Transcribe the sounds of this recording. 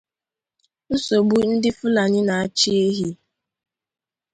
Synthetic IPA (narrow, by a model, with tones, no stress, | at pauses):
n̩˦so˨bu˦n̩˦dɪ˦fʊ˦la˨ɲɪ˦na˨a˦t͡ʃi˦e˦ɦi˦